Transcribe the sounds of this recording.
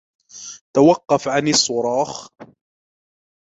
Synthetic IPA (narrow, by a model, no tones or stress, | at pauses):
t̪awɑqːɑfʕanɪsˤːʊɾˤɑːx